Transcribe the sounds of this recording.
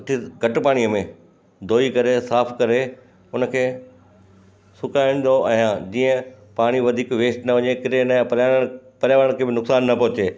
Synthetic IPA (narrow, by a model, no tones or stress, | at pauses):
ʊʈʰiɡʱɐʈpaːɽ̃ijəmẽ | d̪ʱoːikɐɾesaːpʰkɐɾe | ʊnə̆kʰeː | sʊkaĩːn̆d̪oʔɛ̃ːd͡ʑiːə̃ | paːɽ̃iʋɐd̪ʱiːkʋeːsʈnɐʋɐɲekɪɾenɐ̃pɐɾjaːɽə̃pɐɾjaːʋɽəɽ̃kʰeːbɪnʊksaːnːɐpɐɦʊt͡ɕeː